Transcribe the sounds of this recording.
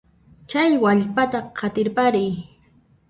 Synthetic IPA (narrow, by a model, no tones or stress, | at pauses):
t͡ʃajwaʎpat̪aqʰɑt̪ɪɾpaɾɪj